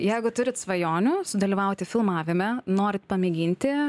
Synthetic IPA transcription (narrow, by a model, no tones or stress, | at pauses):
jɛɪɡʊt̪ʊɾʲɪt̪sʋɐjoːnʲʊːsʊd̪ɐlʲiːʋɐʊt̪ʲɪfʲɪlˠmɑːʋʲɪmʲɛnoːɾʲɪt̪pɐmʲɪɡʲiːnʲt̪ʲɪ